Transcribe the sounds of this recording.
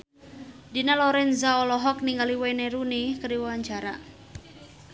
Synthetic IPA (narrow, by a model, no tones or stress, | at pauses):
dinalɔɾɛnzaɔlɔɦɔk̚niŋɡaliwajneɾunikəɾiwawaɲt͡ʃaɾa̰